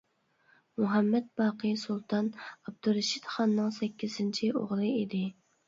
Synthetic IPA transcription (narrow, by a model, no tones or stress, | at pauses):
muɦɛmːɛt̪̚bɑːqʰəsulˠt̪ʰɑnɑb̚d̪uɾɨʃit̪χɑnːɨŋsɛkʲʰːiz̥ɪnt͡ʃʰio̰ʁlˠɨid̪ɪ